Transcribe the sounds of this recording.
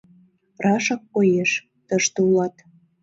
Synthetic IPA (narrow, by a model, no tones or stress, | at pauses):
rɑʃɑkːojeʃ | t̪əʃt̪eulɑt̪